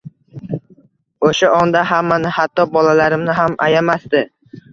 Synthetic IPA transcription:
oʃaɒnd̪aɦamːanɪhat̪ʰːɒbɒlalaɾɪmnɪɦama̰jamasd̪ɪ

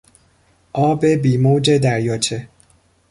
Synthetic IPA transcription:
ʔɒːbe̞biːmoːd͡ʒe̞d̪æɾjɒːt͡ʃʰe

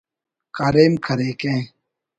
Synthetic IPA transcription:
kaːɾeːmkʰəɾeːkẽː

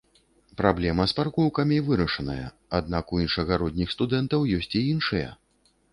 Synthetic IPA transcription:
pɾablʲɛmɐsparkɔwkɐmʲivɨɾɐʂɐnɐjɐ̰ | ad̪nakujinʂɐɣaɾɔd̪ʲnʲixst̪ud̪ɛnt̪ɐwjɔsʲt͡sʲiinʂɨjɐ̰

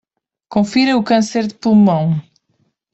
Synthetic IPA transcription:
kõfiɾɐukɐ̃seɾðɨpulˠmɐ̃w̃

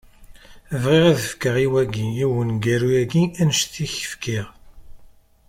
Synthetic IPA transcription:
vʁiʁaðəfkəʁiwæɡiiwənɡæɾujæɡiænʃθiçə̥fkiʁ

